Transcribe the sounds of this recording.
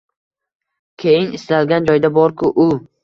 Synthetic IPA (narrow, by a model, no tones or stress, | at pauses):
kʲʰe̞jɪnɪslalɡʲand͡ʒɒjd̪abɒɾkʰʊʔʊ